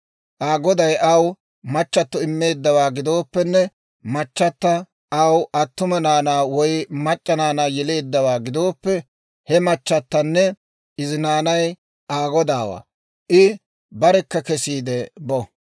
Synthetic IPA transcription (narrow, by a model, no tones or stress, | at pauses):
ʔaːɡɔd̪ɐjʔɐw | mɐt͡ʃːɐt̪ːɔɪmːe̞ːd̪ːɐwaːɡɪd̪o̞ːpːɛnːɛ | mɐt͡ʃːɐt̪ːɐ | ʔɐwɐt̪ːʊmɐnaːnaːwɔjmɐt͡ʃʼːɐnaːnaːjɛle̞ːd̪ːɐwaːɡɪd̪o̞ːpːɛ | hɛmɐt͡ʃːɐt̪ːɐnːɛ | ʔɪzɪnaːnɐj | ʔaːɡɔd̪aːwa̰ː | ʔɪ | bɐɾɛkːɐkɛsiːd̪ɛbɔ